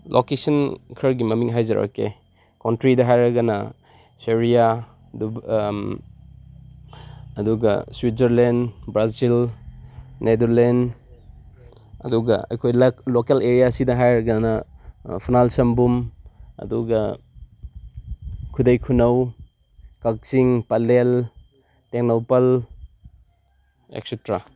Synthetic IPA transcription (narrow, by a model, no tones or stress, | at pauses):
lʔokesɐnkʰɐɾɡimɐmiŋɦajzɐɾɐ̰kḛ | kontɾidɐɦajɾɐɡɐnɐ | seɾija | du | duɡɐ̰swit̚zɐɾlendbɾazil | nedɐɾlend | ɐduɡɐ̰ɐ̰jkʰojllokeleɾijasidɐɦajɾɐɡanɐpʰinalsɐmbumɐ̰duɡɐ | kʰudɐjkʰunɐw | kak̚siŋpɐlel | teŋnopɐl | ḛk̚setɾa